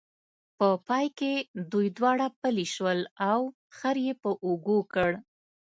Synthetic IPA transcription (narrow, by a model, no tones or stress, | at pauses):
pəpɑjked̪ujd̪wɑɽapəliʃwəlaw | xəɾjepəʔoɡokəɽ